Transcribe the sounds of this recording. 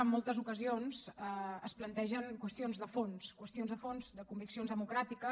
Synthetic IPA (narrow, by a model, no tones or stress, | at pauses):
əmːolˠt̪əzukəzionzəəsplənt̪ɛʒəŋkwəst̪ionzðəfonskwəst̪ionzðəfonzd̪əkumbiksionzðəmukɾat̪ikə